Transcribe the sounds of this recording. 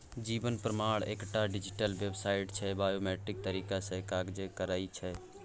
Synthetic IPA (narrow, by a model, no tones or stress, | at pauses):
d͡ʒiːbənpɾəmaːɽḛːkʈaɖid͡ʒiʈəlʋebsaːɪʈt͡ʃʰɛbaːjomɛʈɾɪk̚t̪əɾiːkasə̃kaɡd͡ʒekəɾaːit͡ʃʰɛ